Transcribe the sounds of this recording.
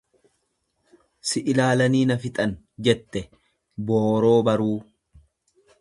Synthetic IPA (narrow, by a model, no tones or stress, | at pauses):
sɪʔɪlaːlɐniːnɐfɪt̪ʼɐn | d͡ʒɛt̪ːɛ | bo̞ːɾo̞ːbɐɾuː